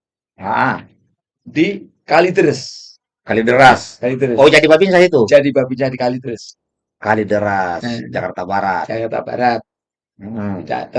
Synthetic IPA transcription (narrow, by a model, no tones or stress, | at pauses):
aʔa | di | kalid̪əɾəs | kalidəɾaskalidɾəsod͡ʒadibabinsait̪ud͡ʒadibabid͡ʒadikalid̪ɾəs | kalidəɾasd͡ʒa̰kart̪abaɾat̪d͡ʒakart̪a̰ba̰ɾat̪̚ | m̩d͡ʒa̰t̪